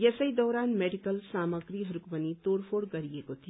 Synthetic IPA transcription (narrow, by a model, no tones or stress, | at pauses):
jɛsəid̪ɔːɾaːnmeːɖikəlsaːməɡɾiɦɐɾukbənit̪oːɽpʰoːɽɡəɾiekot̪ʰi